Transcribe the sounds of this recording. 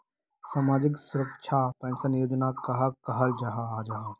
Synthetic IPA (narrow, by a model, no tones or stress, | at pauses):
saːmaːd͡ʒɪksʊɾəkʃʰapɛ̃nsɐnjoːd͡ʒənakɐɦakɐɦɐld͡ʒɐɦaːd͡ʒaɦa